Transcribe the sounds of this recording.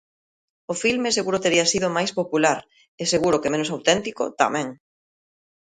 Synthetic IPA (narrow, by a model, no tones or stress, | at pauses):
ʊfilmeseɣuɾʊt̪eɾiɐsiðʊmajspopulaɾ | eseɣuɾʊkɪmẽnʊsawt̪ɛnt̪iko̰t̪a̰mɛ̃ŋ